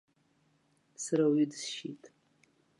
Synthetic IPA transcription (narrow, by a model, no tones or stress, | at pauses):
saɾawidɨzʃḭtʼ